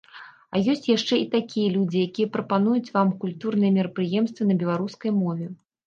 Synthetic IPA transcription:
ɐjɔsʲt͡sʲjaʂt͡ʂɛit̪akʲijɐlʲud͡zʲijakʲijɛpɾɐpanujut͡sʲvamkulʲt̪urnɨjɛmʲɛɾɐpɾɨjɛmst̪vɐnɐbʲɛlˠaɾuskɐjmɔvʲɛ

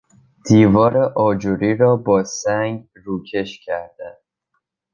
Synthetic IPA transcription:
d̪̥iːvɒːɾeʔɒːd͡ʒuɾiːɾɒːbɒːsæŋɡ | ruːcʰe̞ʃcʰæɾd̪æn

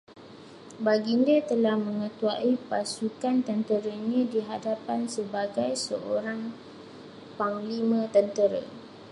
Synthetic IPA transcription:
baɡindət̪əlahmə̃ŋə̃t̪uaʔipasukant̪ənt̪əɾəɲãdiɦadapansəbaɡajsəʔoɾaŋ | paŋlimə̃t̪ənt̪əɾə̰

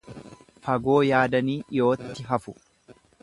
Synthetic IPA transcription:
fɐɡo̞ːjaːd̪ɐniːʔɪjo̞ːt̪ːɪɦɐfʊ

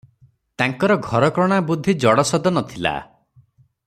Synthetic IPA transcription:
t̪aŋkɔɾɔɡʱɔɾɔkɾɔɽ̃abud̪ʱːid͡ʒɔɽɔsɔd̪ɔnɔt̪ʰila̰

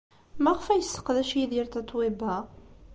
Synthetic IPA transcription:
mæʁəfæjəsːə̥qːðæʃiðiɾt̪ɑt̪ˤːwibæ

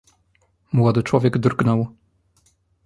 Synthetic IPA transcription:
mwɔd̪ɘt͡ʂwɔvʲjɛɡd̪rɡnɔw

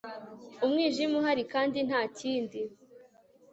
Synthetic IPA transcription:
umŋiːʒimuɦaɾikaːndin̥haːciːndi

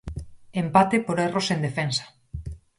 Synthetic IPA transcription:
empat̪epoɾerosend̪efensḁ

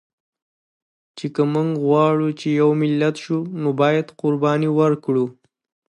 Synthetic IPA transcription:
t͡ʃekəmuŋɡɣwɑɽut͡ʃejawmɪlːat̪ʃunobɑjad̪qʊɾbɑniwəɾkɽu

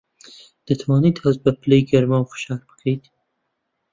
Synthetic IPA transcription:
d̪̥ɐt̪ʰwɑːnit̪hɐzbɐpʰɨlejɡɐɾmawfɨ̥ʃɑːɾbɨ̥kʰəjt̪

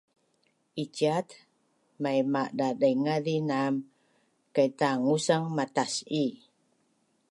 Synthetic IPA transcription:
ʔit͡ʃat̪ | majmaʔdadajŋaɾinam | kait̪aŋusaŋmat̪asi

